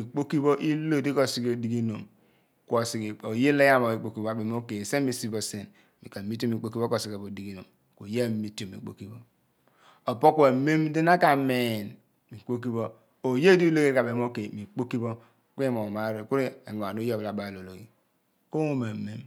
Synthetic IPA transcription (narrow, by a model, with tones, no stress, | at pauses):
i˨k͡po˦ki˦bo˦ʔi˦lo˦˨di˦ko˨si˦ko˨di˦ɡi˦no˨m | ko˨si˨ki˨o˨je˦le˦ja˦mo˨i˨k͡po˦ki˦bo˦a˨be˨˦o˦ke˨se˦mi˨si˦bo˨se˨n | mi˨ka˨mi˦tmi˨k͡po˦ki˦bo˦ko˦˨si˨ka˨bo˨di˨ɡi˦no˨m | ko˨je˦˨˦mi˦to˨mḭ˨k͡po̰˦ki˦bo˦ | o˨po˦kʷe˨me˦mdi˦na˦ka˨me˨n | mi˨k͡po˦k̬i˦βo˦ | o˨je˦du˦i˦lo˦ɡe˦ka˨be˨m˦o˦ke˨mi˨k͡po˦ki˦bo˦ | kmo˨ma˦ɾe˨ku˦ɾi˦e˨ŋo˨a˨no˦jo˦˨bla˨ba˨lo˨lo˨ɡi˨ | ko˦ŋo˦ma˨me˦m